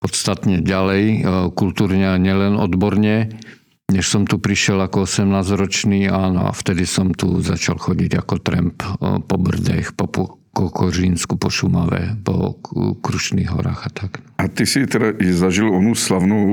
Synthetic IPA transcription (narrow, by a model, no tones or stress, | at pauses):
pɔt̪st̪at̪ɲɛɟalɛjkult̪uːɾɲɛaɲɪɛlɛnɔd̪bɔɾɲɛ | ɲɛʃsɔmt̪upɾiʃjɛlakɔɔsɛmnaːzɾɔt͡ʃniːaːnɔ̰a̰ft̪ɛd̪isɔmt̪uzat͡ʃalxɔɟiɟa̰kɔt̪ɾɛ̰mppɔbr̩d̪ɛ̰xpɔɔ | kɔkɔʒinskupɔʃuma̰ʋɛ̰pɔ̰kɾuʃnḭːɣɦɔ̰ɾa̰ːɣat̪akat̪isit̪ɛdaʔizaʒilɔnuslavnɔʊ